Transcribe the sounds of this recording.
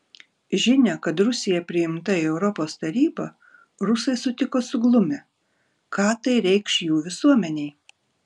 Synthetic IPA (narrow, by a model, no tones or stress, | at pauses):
ʒʲɪnʲɛkɐt̪ɾʊsʲɪjɛpʲɾʲɪɪmt̪ɐiɛʊɾɔpoːst̪ɐɾʲiːbɐ | ɾʊsɐɪsʊt̪ʲɪkoːsʊɡlˠʊmʲɛ | kɑːt̪ɐɪɾʲɛɪkʃjuːʋʲɪsuɔmʲɛnʲɛɪ